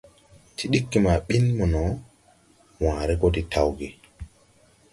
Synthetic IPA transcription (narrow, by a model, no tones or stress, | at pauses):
tʰiɗikːimaɓinmɔnɔ | waːɾɛɡoditʰawɡɛ